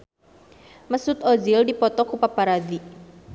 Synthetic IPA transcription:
məsʊt̪ɔd͡ʒildipɔt̪ɔkupapaɾad̪i

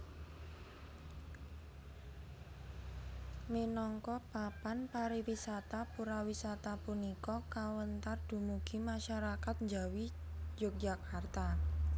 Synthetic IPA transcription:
minɔŋkɔpapanpaɾiwisat̪apuɾawisat̪apunikɔkawənt̪ard̥umuɡ̥imaʃaɾakat̪̚ɲd͡ʒawi | d͡ʒʊk̚d͡ʒakart̪a

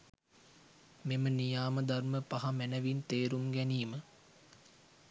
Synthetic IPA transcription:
memənijaːməd̪ɐrməpaɦamænəʋint̪eːɾumɡæniːmə

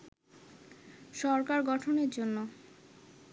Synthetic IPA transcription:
ʃɔɾkaɾɡɔʈʰoneɾd͡ʑonːo

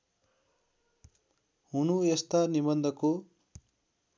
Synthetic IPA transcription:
ɦunuest̪anibʌnd̪ʱʌko

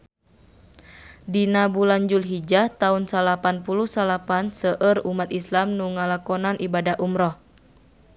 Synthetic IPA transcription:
dinabulaɲd͡ʒulɦid͡ʒat̪aunsalapanpuluhsalapansəʔərumat̪islamnuŋalakɔnanʔibadaɦʔumɾɔh

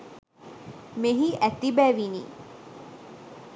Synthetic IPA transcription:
meɦiʔæt̪ibæːʋinḭː

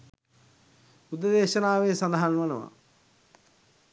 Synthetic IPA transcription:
ud̪ɐd̪ɛːʃɐnaːʋeːsɐnd̪ɐɦanʋɐnəʋa̰

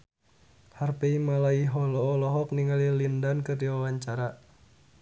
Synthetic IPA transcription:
harpeimalaiɦɔlɔːlɔɦɔk̚niŋalilindankərdiwawaɲt͡ʃaɾa

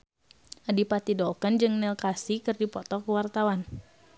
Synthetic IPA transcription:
ʔadipat̪idɔlkənd͡ʒɨŋnɛlkasikɨrdipɔt̪ɔkəwart̪awan

